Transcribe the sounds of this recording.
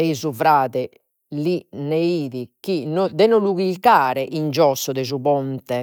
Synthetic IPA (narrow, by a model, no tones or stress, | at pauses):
ɛizuvɾaːðɛ | lineiːðik̟inɔd̪ɛnɔluɣilkaːɾɛʔind͡ʒɔsːɔd̪ɛzuβɔnt̪ɛ